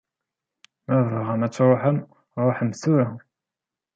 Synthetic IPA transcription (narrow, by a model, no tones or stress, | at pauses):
mævəʁəmæt͡sːɾˤoħəm | ɾˤoħəmsuɾa